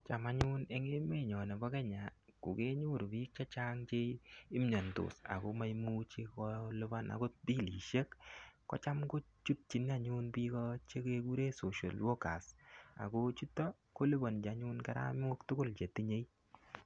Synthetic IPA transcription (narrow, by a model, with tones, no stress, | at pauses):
t͡ʃa˨ma˨˦ɲʊ˦ne˦ŋe˦me˦˨ɲɔ˨ne˨bɔ˦kɛ˦ɲa˨kʊ˨ke˦ɲu˦˨ɾbi˦k̚t͡ʃa˦t͡ʃa˦ŋt͡ʃe˦i˦m˦ɲa˨ntʊ̰˨sa̰˨ko˦ma˦jmu˦t͡ʃe˦kɔ˦lɪ˦ba˦na̰˨ko˦di˦li˨ʃe˦kːɔ̰˦t͡ʃa˦mko˦ | t͡ʃu˦t̚t͡ʃi˨n˦a˨ɲu˦npi˦kɔ˦t͡ʃe˦ke˦ku˦ɾe˦so˨ʃo˨lwo˦ka˨sa̰˨ko˦t͡ʃu˦tːɔ˦ | ko˦lɪ˦ba˨nd͡ʒa˨˦ɲʊ˦nkɛ˦ɾa̰˦m˦o˦ktʊ˦kʊ˦lt͡ʃe˨ti˦ɲe˦i˦